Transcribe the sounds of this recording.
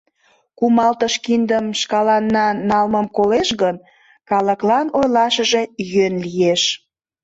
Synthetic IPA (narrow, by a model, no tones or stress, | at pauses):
kumɑlt̪əʃkind̪əmʃkɑlɑnːɑnɑlməmkoleʃɣən | kɑləklɑnojlɑʃəʒe̽jønlijeʃ